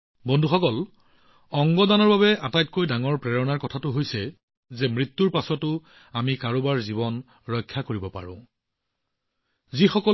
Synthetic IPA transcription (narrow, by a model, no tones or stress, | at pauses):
bɔndʱuxɔkɔl | ɔŋɡɔdanɔɹbabɛʔatajt̚kojdaŋɔɹpɹɛɹɔnaɹkɔtʰatʊɦojsɛ | zɛmɹitːuɹpasɔtʊ | amikaɹobaɹzibɔn | ɹɔjkʰːakoɹibɔpa̰ɹʊ̰̃ | zixɔkɔ